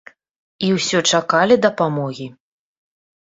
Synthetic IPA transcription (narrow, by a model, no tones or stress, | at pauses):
iwsʲɔt͡ʂakalʲid̪ɐpamɔɣʲi